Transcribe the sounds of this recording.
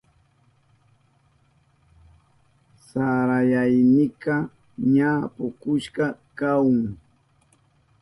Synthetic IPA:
saɾajajnɪkɑ | ɲapʊkʊʃkɑkawʊŋ

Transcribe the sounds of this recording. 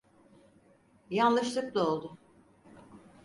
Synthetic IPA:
janlˠɯʃlˠɯklˠao̞lˠd̪ʊ

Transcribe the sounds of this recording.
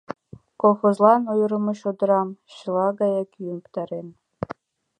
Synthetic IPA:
kolˠχozlˠɑnujɾɤ̆mɤ̆ɕod̪ɤ̆ɾɑmɕɤlˠɑɡɑjɑkʲyunpt̪ɑɾen

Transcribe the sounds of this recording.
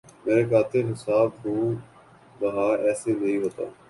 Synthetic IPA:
meːɾekaːt̪eɦɪsaːbɦũː | bɐɦaːɛːsenɐĩɦoːt̪a̰ː

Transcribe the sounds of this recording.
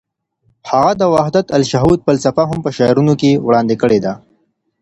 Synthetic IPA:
haɣad̪əwahd̪at̪alʃaɦud̪̚pəlsafaɦʊmpəʃɑjɾunokewɽɑnd̪ekəɽed̪a

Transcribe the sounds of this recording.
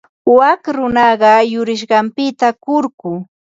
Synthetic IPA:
wakɾʊnɑɢɑjʊɾɪʃ̬ɢɑmpɪt̪akʊɾkʊː

